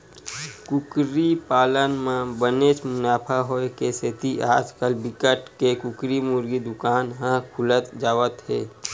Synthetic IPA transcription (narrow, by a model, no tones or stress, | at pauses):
kʊkɾipaːlənmẽbənet͡ʃmʊnaːpʰaɦoekeset̪iʔaːd͡ʒkəlbɪkəʈkekʊkɾimʊɾɡid̪ʊkaːnɦãkʰʊlət̪d͡ʒaːʋət̪ɦɛ̰ː